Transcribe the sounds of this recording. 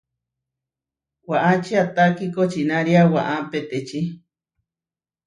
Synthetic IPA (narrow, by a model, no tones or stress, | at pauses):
waʔat͡ʃiat̪akikot͡ʃinãɾiawaʔãpet̪et͡ʃi